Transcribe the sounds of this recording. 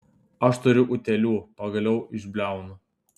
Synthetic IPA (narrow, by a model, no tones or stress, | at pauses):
ɐʃt̪ʊɾʲʊʔʊt̪ʲɛlʲuːpɐɡɐlʲɛʊɪʒʲbʲlʲæˑʊnʊ